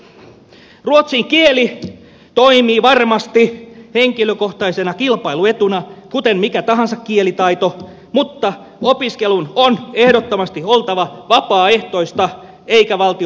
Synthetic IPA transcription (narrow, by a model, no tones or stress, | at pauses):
ruot̪siŋkieli | t̪oimiːʋɑrmɑst̪iheŋkiløkoht̪ɑisenɑkilpɑiluet̪unɑkut̪emmikæt̪ɑɦɑnsɑkkielit̪ɑit̪o | mut̪ːɑ | opiskelunonehɾot̪ːomɑst̪iolt̪ɑʋɑʋɑpɑːeht̪oist̪ɑ | eikæʋɑlt̪i